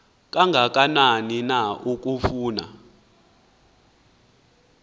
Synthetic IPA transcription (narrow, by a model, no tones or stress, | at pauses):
k̬ʼaŋɡʱak̬ʼananinauk̬ʼufuːna̰